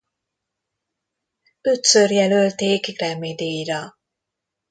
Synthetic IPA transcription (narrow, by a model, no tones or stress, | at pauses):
ø̞t̪sørjɛlølt̪eːkɡrɛmed̪eːjɾɒ